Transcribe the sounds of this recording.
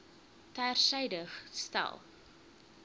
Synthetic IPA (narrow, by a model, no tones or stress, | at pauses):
tærsɛjdəχstæ̰lˠ